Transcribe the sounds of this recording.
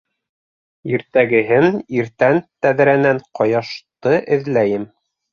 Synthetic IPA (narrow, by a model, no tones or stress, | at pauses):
iɾt̪æɡɘ̆ɦɘniɾt̪ænt̪æð̆ɾænæɴqɑjɑʃt̪ɤʔɘ̆ðlæjɘm